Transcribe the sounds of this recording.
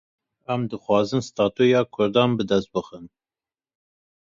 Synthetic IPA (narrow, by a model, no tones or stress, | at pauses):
æmd̪ɨxwɑːzɨnst̪ɑːt̪ujɑːkʰʊɾd̪ɑːnbɨd̪ɛst̪̚bɨxɨn